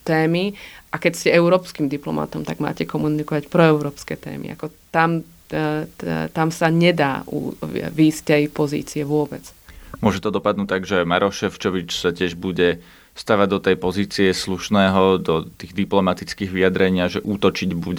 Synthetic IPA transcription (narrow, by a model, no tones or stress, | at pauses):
t̪ɛːmiʔakɛcscɛɛʊɾɔːpskimd̪iplɔ̰ma̰t̪ɔmt̪aɡma̰ːcɛkɔmunikɔʋacpɾɔɛʊɾɔːpskɛt̪ɛ̰ːmḭʔa̰kɔt̪am | t̪amsaɲɛd̪aːṵʋiːsct̪ɛjpɔzḭːt͡siɛʋʊɔbɛt͡smʊɔʒɛt̪ɔd̪ɔpad̪nuːt̪aɡʒɛmaɾɔʃɛft͡ʃɔʋit͡ʃsacɪɛʒbuɟɛ | st̪aʋaɟd̪ɔt̪ɛjpɔziːt͡siɛsluʃnɛːɦɔd̪ɔt̪iːɣd̪iplɔmat̪it͡skiːɣʋiad̪ɾɛɲɪaʒɛʔuːt̪ɔt͡ʃiɟbuɟɛ